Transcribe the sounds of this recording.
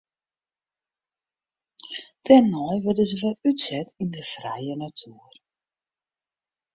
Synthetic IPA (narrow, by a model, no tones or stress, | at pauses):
tɛnːɔjʋøtdəzəʋɔlytsɛtindəfrɛjənatʰyər